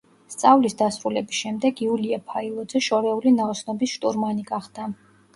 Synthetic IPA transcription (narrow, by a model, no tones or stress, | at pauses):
st̪sʼavlisd̪asɾulɛbisʃɛmd̪ɛɡiuliapʰailˠɔd̪zɛʃɔɾɛulinaɔsnɔbisʃt̪ʼṵɾmaniɡaχd̪̥a